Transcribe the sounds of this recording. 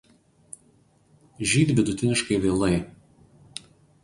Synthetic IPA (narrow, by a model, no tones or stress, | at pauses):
ʒʲiːt̪ʲbʲɪd̪ʊt̪ʲɪnʲɪʃkɐɪʋʲeːlˠɐɪ